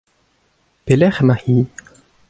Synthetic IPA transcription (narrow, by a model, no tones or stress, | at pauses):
pelɛχmahi